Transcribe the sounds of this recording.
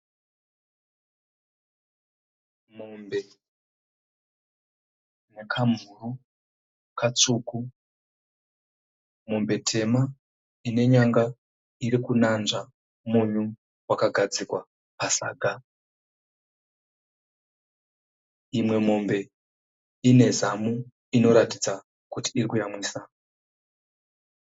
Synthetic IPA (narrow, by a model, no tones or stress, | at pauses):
mombe | nekʰamuru | kat͡suku | mombe̞tʰe̞ma | ine̞ɲaŋɡa | iɾikunanʐa | muɲu | wakaɡʱad͡zikwa | pasa̰ːɡʱa | imwe̞mombe̞ | ine̞zamu | ino̞ɾatid͡za | kuti̥ːrikujamwiːsa